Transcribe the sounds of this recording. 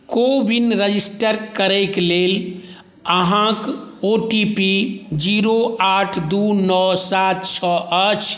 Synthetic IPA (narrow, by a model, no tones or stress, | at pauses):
kobinɾəd͡ʒisʈəɾkəɾɛɪklel | əɦãkoʈipid͡ʒiɾoaʈʰd̪unɔsat̪t͡ʃʰɔʔət͡ʃʰ